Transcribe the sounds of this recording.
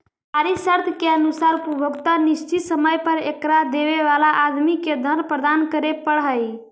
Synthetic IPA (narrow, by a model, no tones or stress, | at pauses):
aɾisəɾt̪ʰkeənusaɾpɾubʱəɡt̪aniʃt͡ʃʰit̪səməjpəɾekɾad̪eʋeʋalaʔad̪miked̪ʱənpɾəd̪ankəɾepəɽɦəj